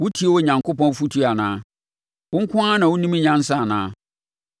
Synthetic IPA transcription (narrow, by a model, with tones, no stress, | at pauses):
wʊ˦tʰi˦e˦wɔ˦˨ɲã˨ŋko˦pɔ̃˦n˦fu˦tʰu˦a˨nã̰ː˦ | wʊ˦ŋ̩˦kʷʰʊ̃˦a˦nã˨wʊ˦nĩ˦mĩ˦ɲã˦n˦sã˦a˨nãː˦